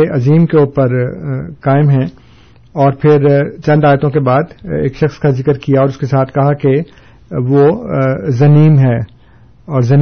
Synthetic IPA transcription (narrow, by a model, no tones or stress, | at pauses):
eʔɐziːmkeuːpəɾkaːɪmɦɛ̃ | ɔːɾpʰɪɾt͡ʃɐ̃nd̪aːjt̪õkebaːd̪ḛːkʃɐxskazɪkəɾkijaɔːɾʊskesaːt̪ʰkɐɦake | ʋo | zɐniːmɦɛː | ɔːɾzɐn